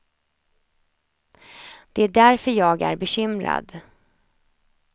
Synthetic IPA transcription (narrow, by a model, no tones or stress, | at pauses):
d̪̥ɛæɖæɾfœɾjɑːɡæ̰ɾbɛɕʏmɾa̰d̪